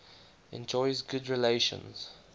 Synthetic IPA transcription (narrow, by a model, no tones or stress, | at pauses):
ɛ̰̃nd͡ʒɔɪzɡʊdɹileɪʃə̰̃nz̥